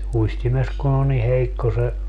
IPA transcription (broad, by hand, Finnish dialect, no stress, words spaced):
uistimes kun o ni heikːo se